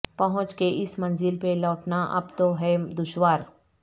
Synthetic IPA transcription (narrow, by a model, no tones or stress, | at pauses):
pɐɦʊ̃t͡ʃkeʔɪsmɐ̃nzɪlpelɔːʈnaʔɐ̰bt̪oɦɛd̪ʊʃwaːɾ